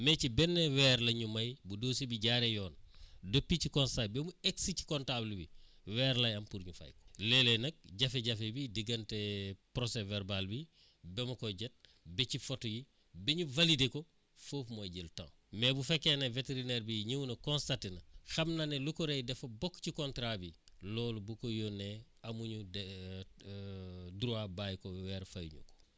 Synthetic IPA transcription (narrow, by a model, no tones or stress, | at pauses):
mecibɛnːɛwɛɾlɐɲumɐjbudoːsibiɟaɾejɔːndopːicikɔnstajbemueksici̥kɔntablubḭ | wɛːɾlɐjɐmpuɾɲufa̰jkɔ̥lelenɐk̚ɟɐfeɟɐfebidiɡɐntɛpɾosevɛɾbalbi | bɛmɐkɔɟɛt̚ | bɛcifotɔji | biɲuvalideko | foːfmojɟiltã̰ː | mɛbufɛkːeneveteɾineɾbiɲiwnɐkɔ̃nstatenɐxɐmnanelukɔɾejdɛfɐbɔkːcikɔntɾabi | lɔːlubukɔjɔnɛɐmuɲu | duɾuabajkɔwɛːɾfajɲṵko̥